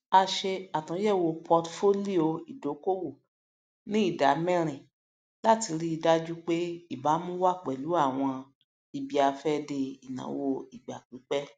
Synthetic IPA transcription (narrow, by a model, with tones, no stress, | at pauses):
a˧ʃe˧a˨tã˨˦jɛ˦˨wo˧pʰɔ˧tfo˦li˦o˧˨i˨do˨˦ko˦wo˦˨ | nĩ˦i˦˨da˨˦mɛ̃˦ɾ̃ĩ˨ | la˦ti˧ɾi˦i˧da˦d͡ʒu˦k͡pe˦i˦˨ba˨˦mũ˦wa˦˨k͡pɛ˨lu˨˦a˦˨w̃ɔ̃˧ | i˧bi˨˧a˧fɛ˦de˧i˨nã̰˨˦wo˧i˨ɡ͡ba̰˨k͡pi˨˦k͡pɛ˦